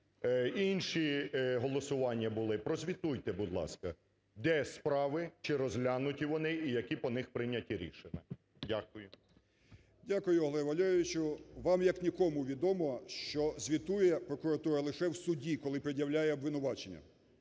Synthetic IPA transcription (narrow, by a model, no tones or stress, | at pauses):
inʲʃiɦɔlˠɔsʊʋɑnʲːɐbʊlˠɪpɾɔzʲʋʲit̪ujt̪ɛbʊd̪ʲlˠɑ̰skɐ | d̪ɛspɾɑʋɪt͡ʃɪɾɔzɦlʲanʊtʲiʋɔnɪijɐkʲipɔnɪxpɾɪnʲɐtʲiɾʲḭʃenʲɐ | dʲakʊjʊ | dʲakʊjʊɦlˠɛʋɐlʲɾʲʋʲɪt͡ʃʊʋɑmjɐknʲikɔmʊʋʲid̪ɔmɔʃt͡ʃɔzʲʋʲit̪ujɛpɾɔkʊɾɐt̪uɾɐlˠɪʃɛwsʊdʲikɔlˠɪpɾɪdʲjɐwlʲajɛɔbʋɪnʊʋɑt͡ʃenʲːɐ̰